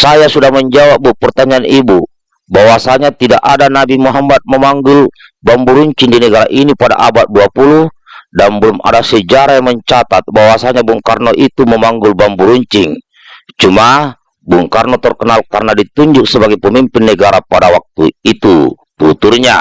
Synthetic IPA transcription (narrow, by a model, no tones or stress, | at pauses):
sajasudahməɲd͡ʒawap̚bupərt̪aɲaːnibu | bawasaɲat̪idaʔadanabimuɦamat̪̚məmaŋɡʊl | bambuɾuɲt͡ʃɪŋdinəɡaɾa̰ʔinipada̰ʔabat̪̚duapuluh | danbəluma̰dasəd͡ʒaɾajaŋməɲt͡ʃat̪at̪̚bawasaɲabuŋkarnɔʔit̪uməmaŋɡʊlbambuɾuɲt͡ʃɪŋ | t͡ʃuma | buŋkarnɔt̪ərkənalka̰rnadit̪uɲd͡ʒʊk̚səbaɡɛjpəmimpɪnːəɡaɾapadawak̚t̪ṵit̪u | t̪ut̪urɲa̰